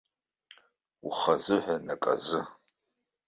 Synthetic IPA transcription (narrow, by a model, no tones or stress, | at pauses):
ʊ̰χɐzɨħʷanɐkʼɐ̰zɨ